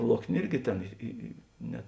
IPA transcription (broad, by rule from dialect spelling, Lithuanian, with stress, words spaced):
ˈlˠoːknʲeː ˈɪrʲɡʲɪ ˈtʲeːn ˈɪ ɪ ɪ ˈnʲɛ